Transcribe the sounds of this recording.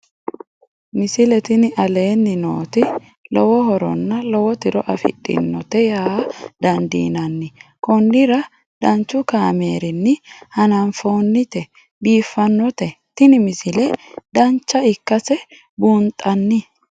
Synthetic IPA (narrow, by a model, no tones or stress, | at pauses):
mɪsɪlɛt̪ɪnɪʔɐle̞ːnːɪno̰ːt̪ɪ | lɔwɔɦɔɾɔ̰nːɐlɔwɔt̪ɪɾɔʔɐfɪ̰ɗʼːɪ̰nːɔt̪ɛjaːd̪ɐnd̪ḭːnɐnːɪkɔnːɪɾɐ | d̪̥ɐnt͡ʃːʊkaːmeːɾɪnːɪhɐnɐnfo̞ːnːɪt̪ɛ | biːfːɐnːɔt̪ɛt̪ɪnɪmɪsɪlɛd̪ɐnt͡ʃːɐɪkːɐsɛ | buːnt̪ʼɐnːɪ